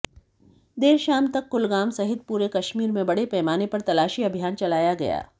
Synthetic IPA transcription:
d̪eːɾʃaːmt̪ɐkːʊlɡaːmsɐɦɪt̪̚puːɾekɐʃmiːɾmẽbɐɽepɛːmaːnepɐɾt̪ɐlaːʃiɐbʱijaːnt͡ʃɐlaːjaɡɐ̰ja̰ː

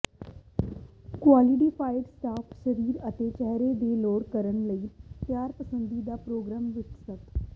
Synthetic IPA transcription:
kwaːlɪʈiːpʰaːɪɖsʈaːpʰʃəɾiːɾət̪eːt͡ʃɛɦɾed̪eːloːɽkəɾəɳləiːt̪jaːɾpəsə̃nd̪iːd̪aːpɾoːɡɾaːmʋɪt͡ʃsət̪

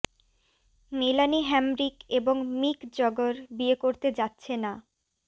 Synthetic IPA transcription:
milaniɦɛmɾikeboŋmikd͡ʑɔɡoɾbiekoɾt̪ed͡ʑatːɕʰena

